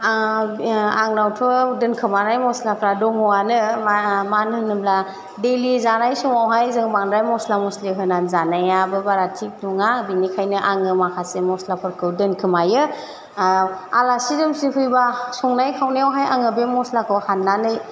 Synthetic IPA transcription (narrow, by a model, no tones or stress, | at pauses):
aŋnawtʰɔdɯnkʰɯmanajmɔslapʰɾadɔŋɔanɯmanhɯnɯmla | delizanajsɔŋawɦajzɯŋbaŋɾajmɔslamɔsliɦɯnanzanajabɯbaɾatʰik̚nuŋabinikʰajnɯʔaŋɯmakʰasemɔslapʰɯɾkʰɯwdɯnkʰɯmajɯ | alasiɾɯmsikʰɯjbasɔŋnajkʰawniawɦajaŋɯbemɔslakʰɯwhanːanɯj